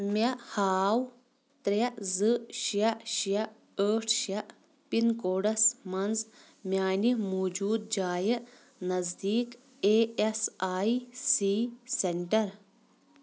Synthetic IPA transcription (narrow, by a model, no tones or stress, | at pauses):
mɐʔhaːw | t̪ɾɐʔzɨʃjɐʔʃjɐ | əːʈʰʃjɐʔ | pinkoːɽɐsmɐnz | mjaːnimoːd͡ʒuːd̪̚d͡ʒaːjɐʔ | nɐzd̪iːk | eːesaːjsiːseɳʈɐɾ